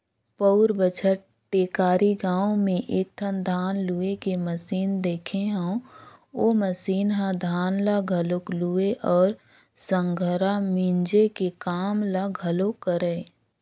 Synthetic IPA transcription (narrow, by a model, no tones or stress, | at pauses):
pəʊɾbət͡ʃʰəʈ̚ | ʈeːkaːɾiɡãːõmẽʔeːk̚ʈ̪ʰənd̪ʱaːnluːekeməsiːnd̪eːkʰeɦɛ̃ | oːməsiːnɦãd̪ʱaːnlaɡʱəloklueʔɔːɾ | sə̃ŋɡʱəɾamĩnd͡ʒekekaːmlaɡʱəlokːəɾeː